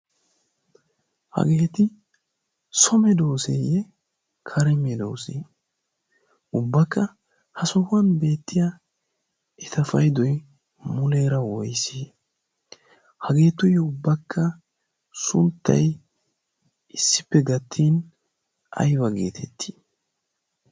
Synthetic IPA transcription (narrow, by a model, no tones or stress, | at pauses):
hɐ̰ɡeːt̪ɪ | sɔmɛd̪oːsejɛ | kʰɐɾɛmɛd̪oːsḛː | ʊbːɐkːɐ | hɐsɔhɐnbe̞ːt̪ːɪjɐ | ɛt̪ɐfɐjd̪ɔj | mʊleːɾɐwɔjsiː | hɐɡe̞ːt̪ːʊjɛʊbːɐkʰːɐ | sʊ̰nt̪ːɐ̰j | ɪsːɪpːɛɡɐt̪ʰːiːn | ʔɐ̰jbɐɡe̞ːt̪ʰɛt̪ʰːi̥ː